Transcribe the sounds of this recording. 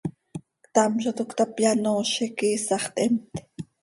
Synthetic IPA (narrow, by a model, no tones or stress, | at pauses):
kt̪ɑmʃot̪ukt̪ɑpjɑnoːʃikiːsɑχt̪ʔɛmt̪